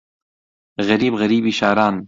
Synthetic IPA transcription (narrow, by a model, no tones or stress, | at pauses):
ɣɐɾiːbɣɐɾiːbiːʃaːɾaːn